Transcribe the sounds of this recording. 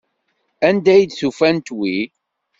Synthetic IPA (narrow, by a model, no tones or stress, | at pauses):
ænd̪æjd̪θufænt̪wi